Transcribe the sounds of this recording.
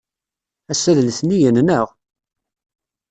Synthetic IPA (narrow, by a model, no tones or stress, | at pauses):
æsːæðlθnijənnəʁ